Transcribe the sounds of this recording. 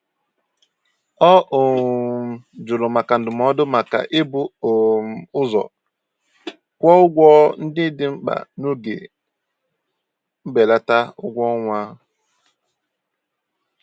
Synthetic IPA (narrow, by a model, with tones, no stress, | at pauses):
ɔ˦ʔo˨ | d͡ʒʊ˨lʊ˨ma˨ka˨n̩˨dɪ˨mɔ˦dʊ˦ma˨ka̰˨ʔe˦bu˦o˨m˨ʊ˦zɔ̰˨ | kʷɔ˦ʊ˦ɡʷɔ˦n̩˦dɪ˦dɪ˦ŋ͡m̩˦k͡pa̰˨no˦ɡḛ˨ | m̩˦be˨la˦ta˦ʊ˦ɡʷɔ˦ŋʷa˦